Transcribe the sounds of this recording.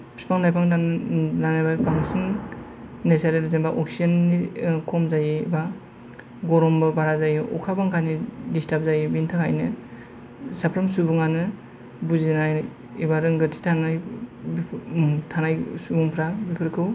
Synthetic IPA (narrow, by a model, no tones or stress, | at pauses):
pʰi̥spaŋnajpʰaŋ | danajbabaŋsiŋ | nesaɾelzenbaʔoksiɐnːikʰɔmzajiḭba | ɡɔɾɔmbɯbaɾazajiɔ̰kʰabaŋkʰanidistap̚zajibintʰaka̰jnɯ | sapʰɾamsubuŋanɯ | buzinaj | ibaɾɯŋɡɯtʰi̥tʰanajbʰtʰanajsubuŋpʰɾabipʰɯɾkʰɯw